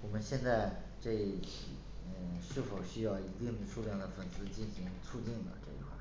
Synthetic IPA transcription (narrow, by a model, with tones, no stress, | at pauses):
wɔ˨˩mə˦nɕjɛ˥˧nt͡sa˥˧ɪ | ʈ͡ʂe˥˧˥ | ə˥˩ʂɻ̩˥˩fo˨˩ʊɕy˥jɑ˥˩ʊi˧˥t̪i˥˩ŋd̪ə˩ʂu˥˧ljɑ˥˩ŋd̪ə˩fə˨˩nsɹ̩˥t͡ɕi˥˩nɕi˧˥ŋt͡sʰu˥˧t̪i˥˩ŋd̪ə̰˩ʈ͡ʂɤ̰˥˧ḭ˧˥xwa̰˥˩